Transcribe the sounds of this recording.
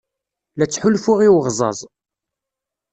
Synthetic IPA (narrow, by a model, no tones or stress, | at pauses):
læt͡sːħʊlfʊʁiwʁzˤɑ̰zˤ